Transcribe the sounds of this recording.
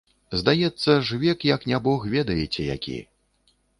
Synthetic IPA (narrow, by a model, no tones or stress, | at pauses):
zd̪ajɛt̪sːɐʐvʲɛkjɐknʲabɔxvʲɛd̪ɐjɛt͡sʲɛja̰kʲḭ